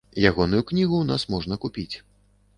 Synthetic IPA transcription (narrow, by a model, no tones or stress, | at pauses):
jaɣɔnujuknʲiɣun̪asmɔʐnɐkupʲit͡sʲ